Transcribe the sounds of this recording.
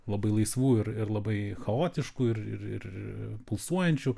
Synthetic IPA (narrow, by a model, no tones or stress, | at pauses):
lˠɐbɐɪlˠɐɪsʋuːɪɾɪɾlˠɐbɐɪxɐoːt̪ʲɪʃkuːɪrɪ̰rɪ̰rɪpʊlˠsuɔjɛnʲt͡ʃʲu